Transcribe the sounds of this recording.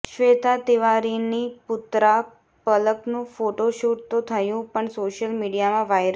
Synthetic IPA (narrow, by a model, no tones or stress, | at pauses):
ʃʋet̪at̪iʋaɾinipʊt̪ɾa | pələknũfoʈoʃuʈt̪ot̪ʰəjũpəɳsoʃəlmiɖijamãʋajɾ